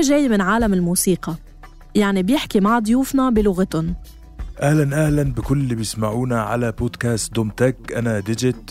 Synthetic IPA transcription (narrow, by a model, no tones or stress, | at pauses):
ʒaːjːmɪnʕaːlamɪlmuːsiːqɑ | jaʕnibjɪħkimaʕd̪ˤʊjuːfnɑbɪlʊɣat̪ʊn | ʔahlanʔahlanbɪkʊlːibjɪsmaʕuːnaʕalaboːd̪kaːst̪̚d̪ʊmt̪akʔanad̪ɪd͡ʒɪt̪